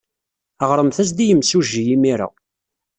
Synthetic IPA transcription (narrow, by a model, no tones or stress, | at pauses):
əʁɾˤəmθæs̬d̪ijəmsuʒːijimiɾa̰